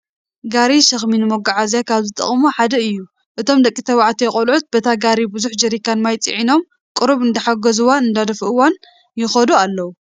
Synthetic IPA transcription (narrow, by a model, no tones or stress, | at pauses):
ɡaɾiʃɐxminɨmoɡaʕazjakʰaβzɨt̪ʼɐ̰χʼmuħad̪ɐɨjːu | ʔɨt̪ʰo̞md̪ɐkʼːit̪ʰɐβaʕat̪ʰijɛxʼɐlʕut̪̚bɐt̪ʰaɡaɾibɨzuħd͡ʒɐɾikanmajt͡sʼḭʕino̞m | kʼɨɾuβɨnd̪ɐħaɡɐzuwanɨnd̪ad̪ɐfʔɨwan | jɪxɐd̪ualːɐwu